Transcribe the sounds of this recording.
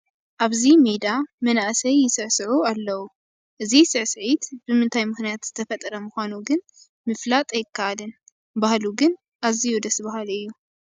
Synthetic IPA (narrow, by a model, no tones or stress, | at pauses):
ʔaβzimed̪amɐnaʔsɐjːɪsɨʕsɨʕualːɐwu | ʔɨzisɨʕsɨʕit̪b̥ɨmɨnt̪ʰajmɨxnijat̪z̥ɨt̪ʰɐfɐt̪ʼɐɾɐmɨxʷanuɡɨn | mɨflat̪ʼjɪkːaʔalɨn | bahluɡɨn | ʔazijud̪ɐsbahalɨjːu